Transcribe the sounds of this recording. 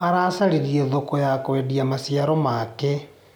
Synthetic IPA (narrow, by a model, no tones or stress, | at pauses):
aɾasaɾeɾieðokojakoediamasiaɾɔmake